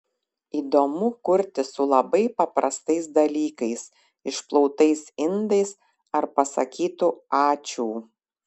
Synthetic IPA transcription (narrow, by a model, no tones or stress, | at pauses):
iːd̪omʊkʊɾʲt̪ʲɪsʊlˠɐbɐɪpɐpɾɐst̪ɐɪsd̪ɐlʲiːkɐɪs | ɪʃplˠɔʊt̪ɐɪsɪnd̪ɐɪs | ɐɾpɐsɐ̰kʲiːt̪uːɑːt͡ʃʲuː